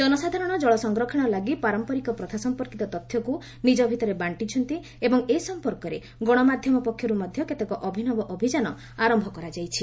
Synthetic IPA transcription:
d͡ʒɔnɔsad̪ʱaɾɔɽ̃ɔd͡ʒɔɭɔsɔŋɡɾɔkʰiɽ̃ɔlaɡipaɾɔmpɔɾikɔpɾɔt̪ʰasɔmpɔɾkit̪ɔt̪ɔt̪ʰːjɔku | nid͡ʒɔbʱit̪ɔɾebaɳʈit͡ʃʰɔnt̪i | ebɔŋesɔmpɔɾkɔɾe | ɡɔɽ̃ɔmad̪ʱjɔmɔpɔkʰːjɔɾumɔd̪ʱjɔket̪ekɔʔɔbʱinɔbɔʔɔbʱid͡ʒanɔ | aɾɔmbʱɔkɔɾad͡ʒajt͡ʃʰi

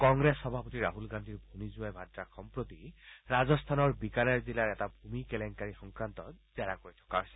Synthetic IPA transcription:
kɔŋɡɹesːɔbʱapɔt̪iɹaɦulɡand̪ʱiɹbʱumizuajbʱadɹaxʰɔmpɹot̪iɹazɔst̪ʰanɔɹbikalɛɹzilaɹɛtabʱumikɛlɛŋkaɹixɔŋkɹant̪ɔz̥ɛɹakoɹit̪ʰɔ̥kaɦojsɛ

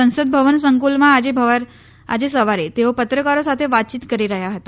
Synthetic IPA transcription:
ə̃ñsəd̪̚bʱəʋəns̬əŋkulmãːd͡ʑebʱəʋaɾ | a̰d͡ʑesəʋaɾet̪eopət̪ɾəkaɾosat̪ʰeʋat̪̚t͡ɕiːt̪kəɾiɾəɦjaɦət̪a

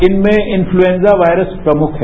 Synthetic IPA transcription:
ɪnmẽɪ̃nfluẽːnzaʋaːɪɾəspɾɐmʊkʰɦɛ

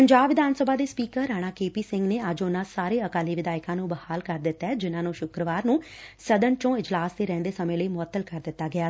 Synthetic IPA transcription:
pəɲd͡ʒaːbʋɪd̪aːnsəbaːd̪eːspiːkəɾɾːaːɽ̃aːkeːpiːsɪŋɡneːəd͡ʒʊnãːsaːɾeːəkaːliːʋɪd̪aːɪkãːnũːbəhaːlkəɾd̪ɪt̪ːaɛːd͡ʒɪnãːnũːʃʊkɾəʋaːɾnũː | səd̪ənt͡ʃõːɪd͡ʒlaːsd̪eːɾɛ̃ːnd̪eːsəmẽːləiːmʊət̪ːəlkəɾd̪ɪt̪ːaːɡɪaː

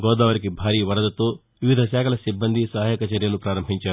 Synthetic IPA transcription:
ɡɔːd̪aːʋɐɾikebʱaːɾiːʋɐɾɐd̪ɐt̪oː | ʋiʋid̪ʱɐsɛːkʰɐlɐsibːɐnd̪ʱisɐːaːjɐkɐt͡ʃɐɾjɐlupɾaːɾɐmbʱiɲt͡ʃaːɾu

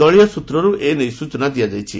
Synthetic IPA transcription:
ɔɭijɔsut̪ɾɔɾuʔenejsut͡ʃɔnad̪iad͡ʒajt͡ʃʰḭ

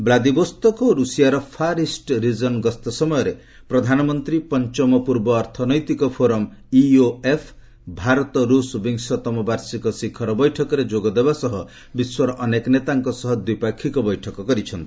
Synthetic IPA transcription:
blad̪ibɔst̪ɔkɔɾusijaɾɔpʰaɾisʈɾid͡ʒɔnɡɔst̪ɔsɔmɔjɔɾe | pɾɔd̪ʱanɔmɔnt̪ɾipɔnt͡ʃɔmɔpuɾbɔːɾt̪ʰɔnɔjt̪ikɔpʰoɾɔm | ioepʰ | bʱaɾɔt̪ɔɾusbiŋsɔt̪ɔmɔbaɾsikɔsikʰɔɾɔbɔjʈʰɔkɔɾed͡ʒoɡɔd̪ebasɔɦɔ | biswɔɾɔʔːnekɔnet̪aŋkɔsɔɦɔd̪wipakʰːikɔbɔjʈʰɔkɔkɔɾit͡ʃʰɔnt̪ii

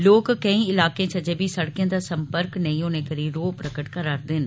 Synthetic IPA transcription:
loːkːəĩːɪlaːkẽːt͡ʃʰəd͡ʒeːbʱiːsəɽkijãːd̪aːsə̃mpəɾknəĩːɦoːneːkəɾiːɾoːpɾəkəʈkəɾaːɾd̪ɪn

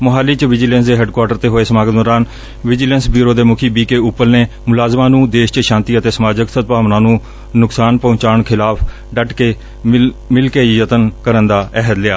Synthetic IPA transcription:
mʊɦaːliːt͡ʃʋɪd͡ʒlə̃nsd̪eːɦɛːɖkwaːɾʈəɾt̪eːɦoːeːsəmaːɡəd̪ɔːɾaːn | ʋɪd͡ʒɪleːnsbiːɾoːd̪eːmʊkʰiːbiːkeːʊpːəlneː | mʊlaːzmãːnũːd̪eːʃt͡ʃəʃãːnt̪iːət̪eːsəmaːd͡ʒəksət̪̚paːʋnãːnũː | nʊksaːnpõːt͡ʃaːɳkʰɪlaːpʰ | ɖəʈkeː | mɪlkeːjət̪ənkəɾənd̪aːʔɛɦəd̪lɪaː

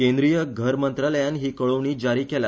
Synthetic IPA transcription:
kẽnd̪ɾijəɡʱəɾmənt̪ɾaləjanɦiːkəɭoʋɳiːd͡ʑaɾiːkela

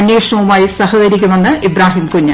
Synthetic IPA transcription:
njeːʂɳɐʋumaːjisɐhɐɡɐɾikʲːunːɐnːɨʔibɾaːɦiːmkuɲːɐ

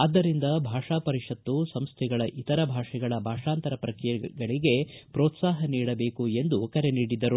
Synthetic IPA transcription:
ɐd̪ːɐɾind̪ɐbʱaːʂaːpɐɾiʂɐt̪ːusɐmst̪ʰɛɡɐɭɐʔit̪ɐɾɐbʱaːʂɛɡɐɭɐbʱaːʂaːnt̪ɐɾɐpɾɐkɾijɐɡɐɭiɡe̞pɾoːt̪saːɦɐniːɽɐbe̞ːkue̞nd̪ukɐɾe̞niːɽid̪ɐɾu

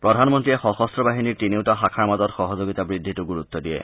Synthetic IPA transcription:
pɹɔd̪ʱanmɔnt̪ɹiexɔxɔst̪ɾɔbaɦiniɹtiniwtaɦakʰaɹmazɔtxɔɦɔzoɡit̪abɹid̪ʱːituɡuɾut̪ːɔdijḛ

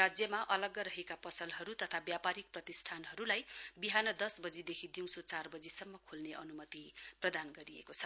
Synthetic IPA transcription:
ad͡zjʌmaʔʌlʌɡʌɾʌɦekapʌsʌlɦʌɾut̪ʌt̪ʰabjapaɾik̚prʌt̪isʈʰanɦʌɾulajbiɦanʌd̪ʌsbʌd͡zid̪ekʰid̪iw̃sot͡sarbʌd͡zisʌmːʌkʰolneʔʌnumʌt̪iprʌd̪anɡʌɾiḛkot͡sʰʌ̥

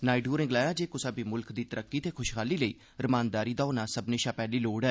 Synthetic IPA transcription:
naːiɖuːɾnɪɡlaːjãːd͡ʒeːkʊsaːbiːmʊlkd̪iːt̪əɾəkːiːt̪eːkʰʊʃkʰaːliːləḭː | ɾəmaːnd̪aːɾiːd̪aːʊnãːsəbneːʃãːpɛːliːloːɽɛː

